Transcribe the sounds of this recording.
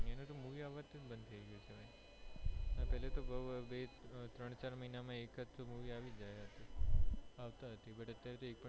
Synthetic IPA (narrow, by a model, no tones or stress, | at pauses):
enot̪omuʋiaʋːat̪ːebənd̪t̪ʰəiɡəjet͡ʃʰebʱai | əpɛɦlet̪obəʋbet̪ɾəɳ̃t͡ʃaɾməɦinamãekəomuʋiaʋid͡ʒajaɦət̪i | aʋt̪aɦət̪ibəʈət̪jaɾet̪oek̚pə